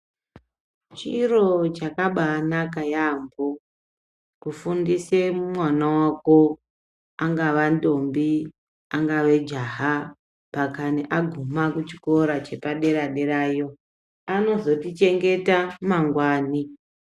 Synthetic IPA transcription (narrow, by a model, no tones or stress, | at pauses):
t͡ʃiro̞t͡ʃakaɓanak̬ajambo | kufundisemumwanawako̞ | aŋɡaʋando̞mbi | aŋɡaʋe̞d͡ʒaɦa | pakaneʔaɡʱumakut͡ʃiko̞ɾat͡ʃe̞paɗe̞ɾaɗe̞ɾaːjo̞ | ano̞zo̞tit͡ʃe̞ŋɡe̞tamaŋɡwaːni